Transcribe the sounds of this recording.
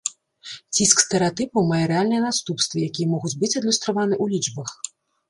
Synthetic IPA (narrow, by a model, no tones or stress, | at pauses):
t͡sʲiskst̪ɛɾɛat̪ɨpɐwmajɛɾɨalʲnɐjɐnast̪upst̪vɐjakʲijɛmɔɣut͡sʲbɨt͡sʲɐd̪lʲust̪ɾavanɨʔulʲit͡ʂbɐx